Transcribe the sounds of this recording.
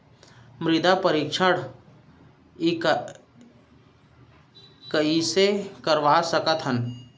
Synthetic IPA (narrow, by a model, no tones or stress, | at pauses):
mɾɪd̪apəɾikʃʰəɽ | ik | kəisekəɾʋasəkət̪ɦən